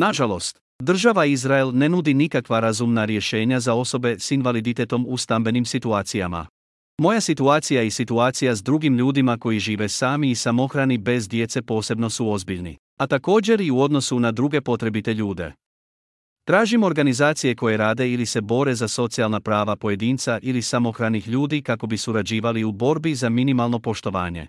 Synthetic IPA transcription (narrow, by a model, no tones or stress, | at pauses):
naʒalo̞st̪ | d̪r̩ʒaʋaizɾaelne̞nud̪inikakʋaɾazumnaɾje̞ʃe̞ːɲazao̞so̞be̞sinʋalid̪it̪e̞t̪o̞must̪ambe̞nimsit̪uaːt̪sija̰ma̰ | mo̞jasit̪uaːt̪sijaisit̪uaːt̪sijazd̪ɾuɡimʎuːd̪imako̞jiʒiːʋe̞saːmiːsamo̞xɾanibe̞zd̪je̞t̪se̞po̞ːse̞bno̞suo̞zbiʎnḭ | at̪ako̞ːd͡ʑe̞ɾiuo̞d̪no̞sunad̪ɾuɡe̞po̞t̪ɾe̞bit̪e̞ʎuːd̪e̞̰ | t̪ɾaːʒimo̞ɾɡanizaːt̪sije̞ko̞je̞ɾaːd̪e̞ilise̞bo̞ɾe̞zaso̞t̪sialˠnapɾaːʋapo̞je̞d̪iːnt̪saʔilisamo̞xɾanixʎuːd̪ikako̞bisuɾad͡ʑiːʋaliubo̞ɾbizaminimalˠno̞po̞ʃt̪o̞ʋaːɲe̞̰